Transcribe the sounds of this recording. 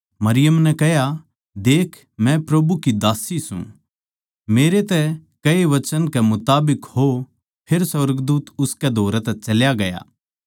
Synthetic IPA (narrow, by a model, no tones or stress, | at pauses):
mɐɾɪjəmnɛkɐɦja | d̪eːkʰ | mɛ̃pɾɐbukid̪aːsisṵ̃ | meːɾet̪ɛkɐeʋɐt͡ʃənkɛmʊt̪aːbɪkho | pʰeɾsɐɾɡd̪uːt̪ʊskɛd̪ʱoːɾɛt̪ɛt͡ʃɐljaɡɐja̰ː